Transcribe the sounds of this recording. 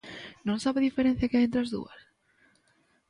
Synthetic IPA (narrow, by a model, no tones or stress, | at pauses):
nõŋsaβeðifeɾẽn̟θjakɪaent̪ɾazðṵɐ̰s